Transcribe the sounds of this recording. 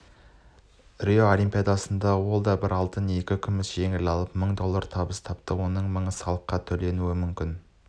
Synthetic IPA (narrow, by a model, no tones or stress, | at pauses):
rijoolimpʲijɑd̪ɑsənd̪ɑwo̞lˠd̪ɑbɪɾɑlˠt̪əne̞kʲɪkʲʰʏmɪsʒ̥e̞ŋɪlɑlˠəpməɴd̪o̞lˠːɑɾt̪ʰɑbəst̪ʰɑpt̪əwo̞nəɴməɴəsɑlˠəqːɑt̪ʰɵle̞nuɪmʏmkʲɪn